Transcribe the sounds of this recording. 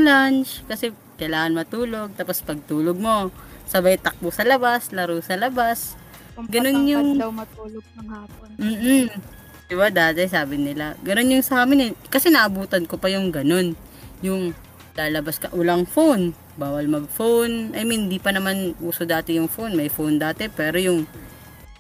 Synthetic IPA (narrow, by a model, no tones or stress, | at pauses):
lant͡ʃkɐsɛ | kɐjlaːŋɐnmɐt̪uːlo̞ɡ̚t̪apospɐɡ̚t̪uːloɡ̚mo̞sɐbajt̪ɐk̚mosɐlɐbaslɐɾusɐlɐbas | ɡɐno̞njʊŋwɐt̪uloɡ̚ɐŋhaː | m̩ː | d̪ɪbad̪aːt̪ɛsaːbɪnɪlaɡɐno̞njʊŋsɐʔaːmɪnɛkɐsɛnɐʔɐbuːt̪ɐnkopɐjʊŋɡɐno̞n | jʊŋ | laːlɐbaskɐʔʊlaŋfon | baːwɐlmɐɡ̚fonʔɐjmhɪnd̪ipɐnɐmanʔuːsod̪aːt̪ɪjʊŋfonmɐjfond̪aːt̪ɛpɛːɾojʊŋ